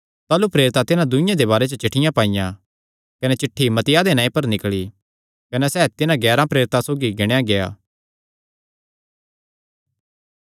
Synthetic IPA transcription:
t̪aːlupɾeːɾɪt̪at̪ɪnãd̪ʊɪ̃jãd̪ebaːɾet͡ʃət͡ʃɪʈʰɪjãpaːɪjã | kɐnɛt͡ʃɪʈʰːimɐt̪ɪjad̪enãːĩpɐɾnɪkɭi | kɐnɛsɛːt̪ɪnãɡɛːɾãpɾeːɾɪt̪asoːɡiɡɪɽ̃ejaɡeja̰ː

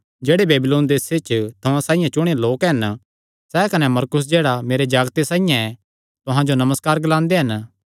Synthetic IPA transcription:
d͡ʒeːɽebeːbɪloːnd̪eːset͡ʃt̪ʰɐãsãːijãt͡ʃʊɽ̃eloːkɦɐn | sɛkɐnɛmɐɾkʊs̬d͡ʒeːɽameːɾed͡ʒaːɡt̪esãːijãɛ | t̪ʊɦãd͡ʒonɐməskaːɾɡlãːnd̪eɦɐn

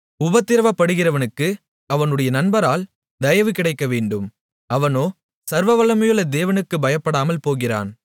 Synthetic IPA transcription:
ʊbɐt̪ːɪɾɐʋɐpːɐɽɯɣɪrɐʋɐnɯkːɯ | ɐʋɐnɯɽɐjɐnɐnbɐɾaːl | d̪ɐjɐʋɯkːɪɽɐɪkːɐʋeːɳɖɯm | ɐʋɐnoː | sɐɾʋɐʋɐlɐmɐjɯɭɐd̪eːʋɐnɯkːɯbɐjɐpːɐɽaːmɐlpoːɣɪra̰ːn

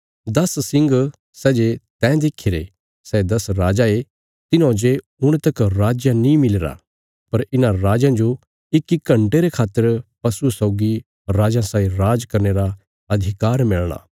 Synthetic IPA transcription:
d̪ɐssɪ̃ŋɡ | sɛːd͡ʒet̪ɛ̃ːd̪eːkʰiɾe | sɛːd̪ɐsɾaːd͡ʒae | t̪ɪnõːd͡ʒe | ʊɽ̃t̪ɐkɾaːd͡ʒjanĩmɪleɾa̰ | pɐɾɪnãɾaːd͡ʒãd͡ʒo | ɪkikːɐ̃ɳʈeɾekʰaːt̪ːəɾpɐsusɔʊɡi | ɾaːd͡ʒãsaːĩɾaːd͡ʒkɐɾneɾa | ɐd̪ʱɪkaːɾmɪɭɽ̃a̰ː

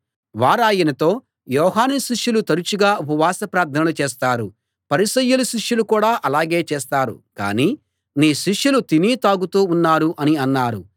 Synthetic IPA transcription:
ʋaːɾaːjinɐt̪o̞ː | jɔːɦaːniʃiʂjulut̪ɐɾut͡ʃuɡaːupɐʋaːsɐpɾaːɾt̪ʰɐnɐlut͡ʃeːst̪aːɾu | pɐɾisɐjːuluʃiʂjulukuːɽaːʔɐlaːɡe̞ːt͡ʃeːst̪aːɾṵka̰ːniː | niːʃiʂjulut̪iniːt̪aːɡut̪uːunːaːɾuʔɐniɐnːaːɾṵ

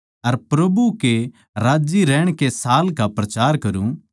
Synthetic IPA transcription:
ɐɾpɾɐbuke | ɾaːd͡ʒiɾɛːɽ̃kesaːlkapɾɐt͡ʃaːɾkɐɾũ

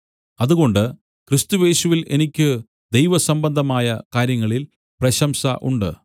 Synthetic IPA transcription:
ɐðuɣo̞ɳɖɨ | krist̪uje̞ːɕuʋilʔe̞nikʲːɨ | d̪e̞jʋɐsɐmbɐnd̪ʱɐmaːjɐkaːɾjɐŋːɐɭil | prɐɕɐmsɐʔuɳɖɨ̰

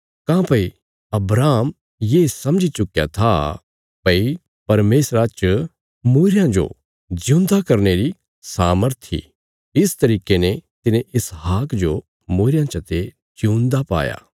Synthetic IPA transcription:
kãːpɐi | ɐbɾaːm | jeːsɐmd͡ʒit͡ʃʊkja̰t̪ʰa | pɐi | pɐɾmeːsɾat͡ʃ | muːɾɪjãd͡ʒo̰ | d͡ʒɪ̃nd̪akɐɾneɾi | saːməɾt̪ʰḭ | ɪst̪ɐɾiːkenɛt̪ɪnẽʔɪsɦaːkd͡ʒo | muːɾɪjãt͡ʃɐt̪e | d͡ʒũːnd̪apa̰ːja̰ː

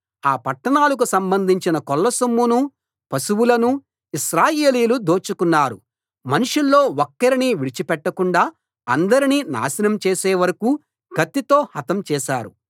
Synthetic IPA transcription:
aːpɐʈːɐɳaːlɐk̬usɐmbɐnd̪ʱiɲt͡ʃinɐkɔlːɐsɐmːunu | pɐsuwulɐnu | iʃɾaːje̞ːliːlud̪o̞ːt͡ʃukunːaːɾṵ | mɐnuʂulːo̞ːokːɐɾiniːʋiɽit͡ʃipɛʈːɐkuɳɖaː | ɐ̰nd̪ɐɾiniːna̰ːsinɐmt͡ʃeːseːʋɐɾɐku | ɡɐt̪ːit̪o̞ːhɐt̪ɐmt͡ʃɛːʃa̰ːɾu

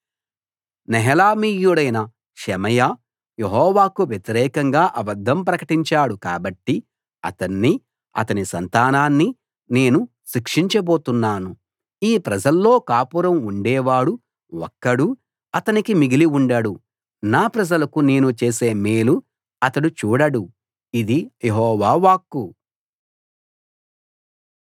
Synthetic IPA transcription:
nɛɦɐlaːmiːjuɽɐjnɐ | ʃɛmɐja | jeɦɔːʋaːkuʋjet̪iɾɛːkɐŋɡaːʔɐbɐd̪ʱːɐmpɾɐkɐʈiɲt͡ʃaːɽuka̰ːbɐʈːi | ɐ̰t̪ɐnːi | ɐ̰t̪ɐnisɐnt̪aːnaːnːi | ne̞ːnu | ʃikʂiɲt͡ʃɐbo̞ːt̪unːaːnu | iːpɾɐd͡ʒɐlːo̞ːkaːpuɾɐmuɳɖɛːʋaːɽu | wɔ̰kːɐɽu | ɐt̪ɐnikimiɡiliuɳɖɐɽu | naːpɾɐd͡ʒɐlɐkune̞ːnut͡ʃeːse̞ːmeːlu | ɐt̪ɐɽut͡ʃuːɽɐɽu | id̪ijeɦɔːʋaːʋaːkːu

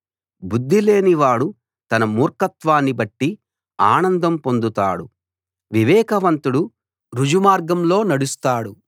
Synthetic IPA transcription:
bud̪ʱːile̞ːniʋaːɽu | t̪ɐnɐmuːɾkɐt̪ʋaːnːibɐʈːi | aːnɐnd̪ɐmpo̞nd̪ut̪a̰ːɽu | ʋiʋɛːkɐʋɐnt̪uɽu | ɾud͡ʒumaːɾɡɐmlo̞ːnɐɽust̪aːɽu

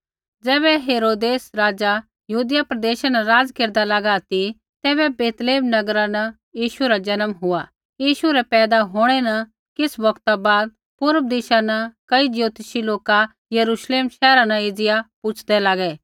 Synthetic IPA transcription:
d͡zɛːβɛɦeːɾoːd̪eːsɾaːd͡ʒa | jɐɦuːd̪ɪjapɾɐd̪eːʃanɐɾaːd͡zkeːɾd̪alaɡat̪i | t̪ɛːβɛbeːt̪leːmnɐɡɾanɐ | jiːʃuɾad͡ʒɐnəmɦʊa | jiːʃuɾɛpɛːd̪aɦoːɽ̃ɛnɐ | kɪsbɐkt̪abaːd̪̚ | pʊɾəb̚d̪ɪʃanɐkɐid͡ʒjoːt̪ɪʃiloːka | jɐɾuːʃleːmʃɛːɾanɐ̃eːd͡zɪjapʊt͡ʃʰd̪ɛlaːɡɛ

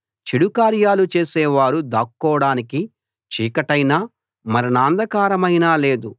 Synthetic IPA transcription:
t͡ʃiɽukaːɾjaːlut͡ʃe̞ːsɛːʋaːɾud̪aːkːɔːɽaːniki | t͡ʃiːkɐʈɐjnaː | mɐɾinaːnd̪ʱɐkaːɾɐmɐjnaːle̞ːd̪u

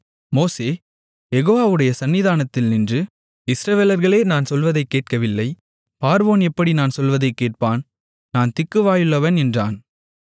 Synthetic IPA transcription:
moːseː | jɛɣoːʋaːʋɯɽɐjɐsɐnːɪðaːnɐt̪ːɪlnɪndrɯ | ɪsɾɐʋeːlɐɾɣɐɭeːnaːnsɔlʋɐðɐɪkːeːʈ̚kɐʋɪlːɐɪ | paːɾʋoːnɛpːɐɽinaːnsɔlʋɐðɐɪkːeːʈ̚paːn | naːnt̪ɪkːɯʋaːjɯɭːɐʋɐnɛndra̰ːn

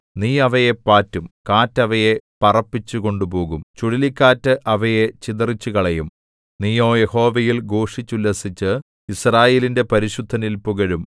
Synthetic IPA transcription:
niːɐʋɐjepaːtːumkaːtːɐʋɐje̞pɐrɐpːit͡ɕːuko̞ɳɖupo̞ːɣumt͡ɕuɽilikʲːaːtːɨʔɐʋɐje̞t͡ɕiðɐrit͡ɕːuɣɐɭejum | niːjoːje̞ho̞ːʋɐjilɡo̞ːʂit͡ɕːulːɐsit͡ɕːɨ | israːje̞ːlinde̞pɐɾiɕud̪ʱːɐnilpuɣɐɻum

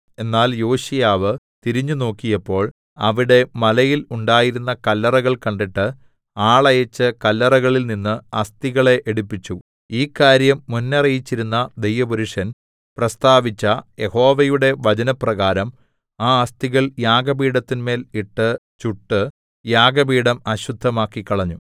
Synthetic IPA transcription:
e̞nːaːljoːɕijaːʋɨt̪iɾiɲːuno̞ːkːijɐpːo̞ːɭ | ɐʋiɽe̞mɐlɐjiluɳɖaːjiɾunːɐkɐlːɐrɐɣɐɭkɐɳɖiʈːɨ | aːɭɐjɐt͡ɕːɨkɐlːɐrɐɣɐɭilninːɨɐst̪iɣɐɭe̞ʔeɽupːit͡ɕːu | iːkːaːɾjɐmːunːɐrɐjit͡ɕːiɾunːɐd̪ejʋɐbuɾuʂɐn | prɐst̪aːʋit͡ɕːɐje̞ho̞ːʋɐjuɽe̞ʋɐt͡ɕɐnɐprɐɣaːɾɐm | aːɐst̪iɣɐɭjaːɡɐbiːɽɐt̪ːinme̞ːliʈːɨt͡ɕuʈːɨ | jaːɡɐbiːɽɐmɐɕud̪ʱːɐmaːkːikːɐɭɐɲːu

